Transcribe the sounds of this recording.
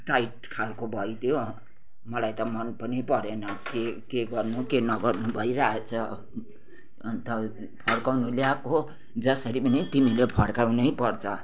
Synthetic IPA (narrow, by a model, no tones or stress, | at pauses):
ʈajʈ̚kʰalkobʱʌjt̪ʰjo | mʌlajt̪ʌmʌnpʌnipʌɾenʌkekeɡʌrnukenʌɡʌrnubʱʌjɾaet͡sʰʌ | nt̪ʌ | pʰʌɽkawnuljako | d͡zʌsʌɾipʌnit̪imilepʰʌɽkaw̃nʌjpʌrt͡sʰʌ